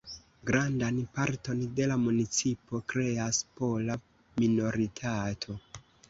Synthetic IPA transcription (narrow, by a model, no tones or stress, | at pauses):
ɡɾandanpaɾto̞nde̞lamunit͡sipo̞kɾe̞aspo̞la | mino̞ɾitʰatʰo̞